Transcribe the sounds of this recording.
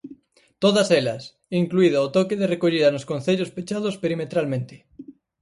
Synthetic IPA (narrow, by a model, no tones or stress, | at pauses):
t̪oð̞aselɐs | iŋkluið̞oot̪okeðerekoʎiðanoskonθeʎospet͡ʃað̞ospeɾimet̪ɾalmẽnt̪e̥